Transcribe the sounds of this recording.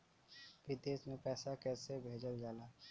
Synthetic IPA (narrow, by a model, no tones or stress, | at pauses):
ʋid̪eːsmẽpɛːsakɛːsebʱeːd͡ʒəld͡ʒaːlaː